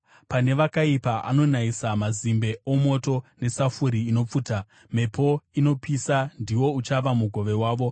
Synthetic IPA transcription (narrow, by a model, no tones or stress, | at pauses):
pane̞ʋakaipaʔa̰no̞naisamazimbe̞o̞mo̞to̞ne̞safuɾiːno̞p͡fuːta | me̞pʰo̞ino̞pʰisandiwo̞ut͡ʃaʋamuɡʱo̞ʋe̞waːʋo̞